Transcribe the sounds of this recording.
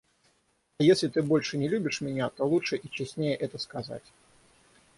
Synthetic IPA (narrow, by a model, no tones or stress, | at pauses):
ɐjesʲlʲɪt̪ɨbo̞lʲʂɨnʲɪlʲubʲɪʂmʲɪnʲat̪olˠuʂɨʔit͡ɕɪsʲnʲejəʔɛt̪əskɐza̰tʲ